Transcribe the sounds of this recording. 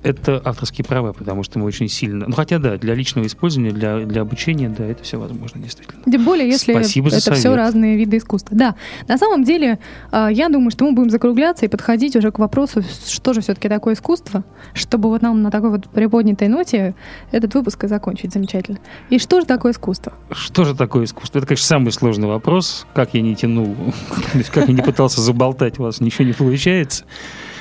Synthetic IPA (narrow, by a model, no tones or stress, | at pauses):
ɛt̪əʔaft̪ərskʲɪjəpɾavapət̪ɐmuʂt̪əmɨot͡ɕɪnʲsʲilʲnənuxɐtʲad̪ad̪lʲɐlʲit͡ɕnəvəɪspo̞lʲzəvənʲɪjəd̪lʲɐd̪lʲɐɐbʊt͡ɕenʲɪjəd̪aɛt̪ə̥fsʲovɐ̰zmo̞̰ʐnədʲɪjst̪vʲi̥tʲɪlntʲembo̞lʲɪjəjesʲlʲɪsʲibəzɛt̪əfssʲoɾaznɨjəvʲid̪ɨɪskust̪vəd̪anɐsaməmdʲelʲɪajad̪uməjʊʂt̪o̞mɨbudʲɪmzəkɾʊɡlʲat̪səipət̪xɐdʲitʲʊʐɛkvɐpɾo̞sʊʂt̪o̞ʐɨfsʲɵt̪ə̥kʲɪt̪ɐkojəɪskust̪və | ʂt̪o̞bɨvot̪namnət̪ɐko̞jvot̪pɾʲɪpo̞dʲnʲɪt̪əjno̞tʲɪɛt̪ət̪vɨpʊskzɐkonʲt͡ɕɪtʲzəmʲɪt͡ɕætʲɪlʲnəiʂt̪o̞ʐɨt̪ɐko̞jəɪskust̪vəʂt̪o̞ʐɨt̪ɐko̞jəɪsku̥st̪vəɛt̪əkɐneʂnəsamɨjslˠo̞ʐnɨjvɐpɾo̞skakjanʲɪtʲɪnulˠt̪osʲtʲkakjanʲɪpɨt̪alˠsʲəzəbɐlˠt̪atʲʊvasnʲɪt͡ɕɪvonʲɪpəlˠʊt͡ɕæjɪt̪sə̥